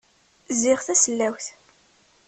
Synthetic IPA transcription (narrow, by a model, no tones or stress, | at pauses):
zɪʁθæsəlːæwθ